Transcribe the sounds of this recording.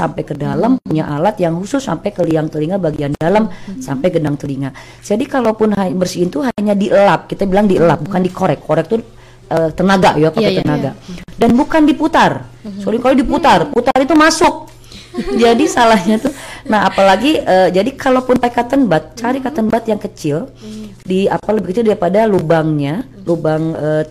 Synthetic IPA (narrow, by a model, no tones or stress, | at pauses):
sa̰mpajkədalampuɲaʔalat̪jaŋhusʊsːa̰mpɛjkəliaŋt̪əliŋabaɡiandaləmsampajɡədaŋt̪əliŋa | d͡ʒadikalopʊnɦabərsiːnt̪uɦaɲadiʔəlap̚kit̪abilaŋdiəlap̚bukandikoɾɛkːoɾɛk̚t̪u | əːt̪ənaɡaʔjapat̪ənaɡadanbukandiput̪arsolɪŋkalodiput̪arput̪arit̪umasʊk̚ | d͡ʒadisalahɲat̪unaɦapalaɡiəːd͡ʒadikalopʊnpaikːat̪ənbat̪̚t͡ʃaɾikat̪ənbat̪jaŋkət͡ʃɪldia̰paləbɪhkət͡ʃɪldaɾipadalubaŋɲa | lubaŋə